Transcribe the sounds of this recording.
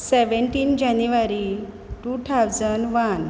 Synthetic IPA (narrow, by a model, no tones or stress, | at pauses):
seʋeɳʈiːnd͡ʑanjuʋaɾi | ʈut̪ʰawd͡zənʋan